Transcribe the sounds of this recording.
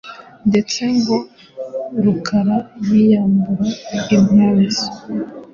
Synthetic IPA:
nde̞t͡se̞ŋɡo̞ | ɾukʰaɾaɾwijaːmbuɾaimazi̥

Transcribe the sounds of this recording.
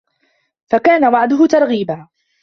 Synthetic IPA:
fakaːnawɑʕd̪ʊɦʊt̪ɑɾˤɣiːbaː

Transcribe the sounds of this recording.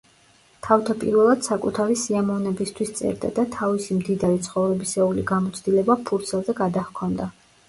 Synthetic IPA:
t̪ʰaft̪ʰapʼḭɾvɛlˠad̪̥sakʼut̪ʰaɾisiamɔvnɛbist̪ʰwist̪sʼɛ̰ɾd̪a̰d̪at̪ʰavisimd̪id̪aɾit̪sʰχɔvɾɛbisɛuliɡamɔt̪sʰd̪ilɛbapʰuɾt̪sʰɛlˠzɛɡad̪ahkʰɔnd̪a

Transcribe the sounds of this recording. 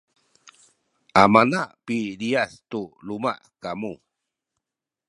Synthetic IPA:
ʔamanaʔpiliastuluma̰ʔkamu

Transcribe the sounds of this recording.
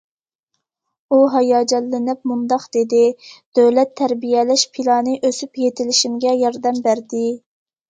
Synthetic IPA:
uɦɑjɑːd͡ʒɛlːɪnɪp̚mund̪ɑqd̪̥ed̪ɪd̪̥øwlɛt̪ʰːæɾbijɛlɪʃpʰilˠɑːnɨʔøsypjet̪ʰɪlɪʃimɡʲɛjɑɾd̪ɛmbæɾd̪ɪ

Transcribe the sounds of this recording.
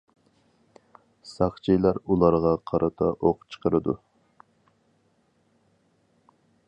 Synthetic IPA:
sɑχt͡ʃʰijlˠɑɾulˠɑɾʁɑqʰɑɾʔɑt̪ʰɑʔoqt͡ʃʰə̥qəɾɨd̪ṵ

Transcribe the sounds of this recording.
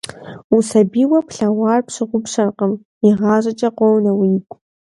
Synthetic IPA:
usɐbiːwɐpʰɬawɑːrpʂɨʁʷʊpɕɐrqəm | iʁɑːʒʼɐt͡ʃʼɐqʷɔwnɐwiːkʷʼ

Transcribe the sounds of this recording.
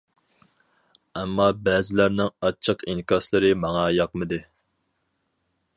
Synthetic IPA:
ɛmːɑbɛzɪlæɾnɪŋɑt͡ʃʰːəqiŋkʰɑslˠɨɾɨmɑŋɑjɑqmɨd̪ɨ

